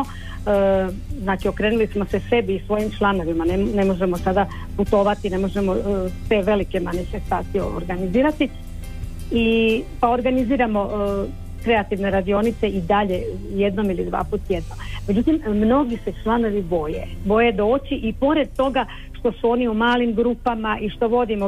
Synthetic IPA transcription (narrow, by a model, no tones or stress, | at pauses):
o | znaːt͡ʃio̞kɾenulismo̞sese̞biːsʋo̞jimt͡ʃlˠano̞ʋimanene̞mo̞ʒemosad̪a | put̪o̞ʋat̪ine̞mo̞ʒe̞mo̞se̞ʋe̞like̞manife̞st̪aːt̪ijoo̰ɾɡaniziːɾat̪i | ipao̞ɾɡaniziːɾamo̞ | kɾe̞at̪iʋne̞ɾad̪io̞nit̪seid̪aʎe̞ | je̞d̪no̞milid̪ʋa̰ːput̪ːjed̪no̞mme̞d͡ʑut̪immno̞ɡise̞t͡ʃlˠano̞ʋibo̞je̞̰bo̞je̞d̪o̞ːt͡ɕiʔipo̞ɾe̞d̪̚t̪o̞ɡa | ʃt̪o̞suo̞ːniumaːlimɡɾupamaʔiʃt̪o̞ʋo̞d̪imo